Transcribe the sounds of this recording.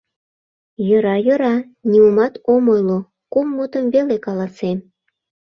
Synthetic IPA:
jøɾɑjøɾɑ | nʲiumɑt̪omojlo | kumːut̪əmvelekɑlɑsem

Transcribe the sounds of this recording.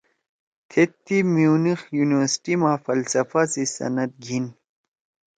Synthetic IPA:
t̪ʰet̪ːimiunixjuniwɐɾsi̥ʈimãːfɐlsɐfasisɐ̰nɐt̪̚ɡʱin

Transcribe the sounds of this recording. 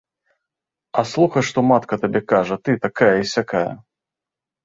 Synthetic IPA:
ɐslˠuxɐʂt̪ɔmat̪kɐt̪abʲɛkaʐɐt̪ɨt̪akajɐisʲakajɐ̰

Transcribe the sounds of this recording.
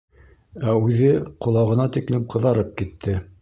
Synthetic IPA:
æʉðɘqŏlˠɑʁɤ̆nɑt̪iklɘmqɤ̆ðɑɾɤp̚kit̪ʰːɘ

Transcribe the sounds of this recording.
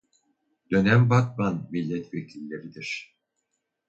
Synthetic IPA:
d̪̥ø̞næmbat̪̚banmilʲːɛt̪vekʰʲilʲːeɾid̪iɾ̥

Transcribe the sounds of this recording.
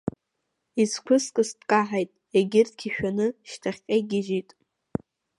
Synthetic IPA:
iskʷʰʊskʼɨsdkʼaħajtʼ | eɡʲɪrtʰkʰʲiʃᶣanɨʃtʰaχʲqʲʼejɡʲɪʒitʼ

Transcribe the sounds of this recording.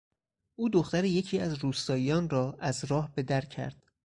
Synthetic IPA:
ʔuːd̪o̞xt̪æɾeje̞cʰiːæzruːst̪ɒːjijɒːnrɒːʔæzɾɒːhbe̞d̪æɾcʰæ̰ɾd̪̥

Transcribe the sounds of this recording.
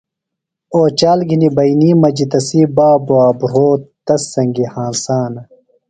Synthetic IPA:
oːt͡ɕaːlɡʱinibɐjniːmɐd͡ʑit̪ɐsiːbaːboaːbɾoːt̪t̪ɐsːɐŋɡihãːnsaːnɐ

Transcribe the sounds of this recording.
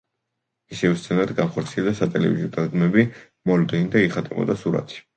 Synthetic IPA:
isɛvɛst̪sʰɛnaɾad̪ɡanχɔɾt̪sʰiɛld̪asat̪ʼɛlɛ̰vḭziɔd̪ad̪ɡmɛbi | mɔld̪ɛnid̪aiχat̪ʼɛbɔ̰d̪asuɾa̰t̪ʰi̥

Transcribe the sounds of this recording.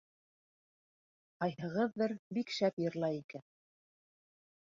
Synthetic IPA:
qɑjhɤ̆ʁɤðːɤɾbikʃæpjɤ̆ɾlˠɑjikæn

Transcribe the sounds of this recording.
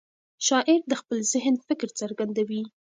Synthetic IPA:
ʃɑʔɪɾd̪əxpəlzɪɦnfɪkɾt͡saɾɡand̪awi

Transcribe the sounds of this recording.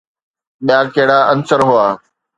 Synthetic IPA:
ɓɪjaːkeɦɽaːʔənsəɾɦʊaː

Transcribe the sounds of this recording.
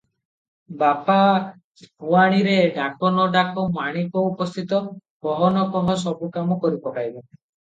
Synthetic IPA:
bapa | puaɽ̃iɾeɖakɔnɔɖakɔmaɽ̃ikɔupɔst̪ʰit̪ɔkɔɦɔnɔkɔɦɔsɔbukamɔkɔɾipɔʈajbe

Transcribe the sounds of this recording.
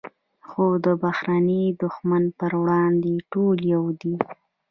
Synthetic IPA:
xod̪əbahɾaned̪ʊxmanpəɾwɽɑnd̪eʈoljawd̪i

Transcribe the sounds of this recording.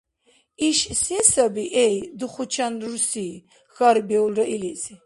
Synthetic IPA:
iʃsɛsabiʔɛjd̪uχut͡ʃʰanuɾusi | xaɾbɛulɾaʔilisi

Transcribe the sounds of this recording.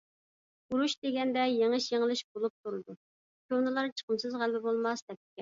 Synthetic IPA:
uɾuʃd̪eɡʲɛnd̪ɛjeŋɨʃjeŋəlˠɨʃbolˠup̚t̪ʰuɾɨd̪u | kʰʲonɨlˠɑɾt͡ʃʰə̥qəmsɨzʁælbɪbolˠmɑsd̪ɛp̚t̪ɪ̥kʲɛ

